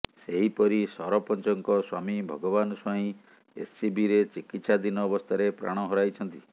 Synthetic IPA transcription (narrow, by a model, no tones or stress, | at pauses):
seɦipɔɾisɔɾɔpɔnt͡ʃɔŋkɔswamibʱɔɡɔbanɔsɔɦĩ | ḛssibiɾet͡ʃikit̪sad̪inɔːbɔst̪ʰaɾepɾa̰ɽ̃ɔɦɔɾajt͡ʃʰɔnt̪i